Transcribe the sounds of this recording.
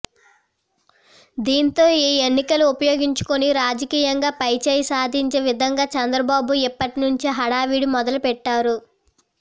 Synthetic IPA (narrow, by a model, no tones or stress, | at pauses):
d̪iːnt̪o̞ːiːenːikɐluupɐjoːɡiɲt͡ʃu̥koniɾaːd͡ʒɐkiːjɐŋɡaːpɐjt͡ʃeːjɐsaːd̪ʱiɲt͡ʃeːʋid̪ʱɐŋɡaːt͡ʃɐnd̪ɾɐbaːbuipːɐʈinuɲt͡ʃiɦɐɽaːʋiːɽumɔd̪ɐlupɛʈːaːɾu